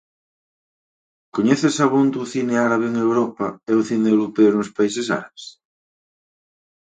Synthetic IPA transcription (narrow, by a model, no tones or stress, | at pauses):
koɲeθesaβond̪uθineaɾaβeeŋewɾɔpaeuθinewlopeoɾuspaisesa̰ɾaβes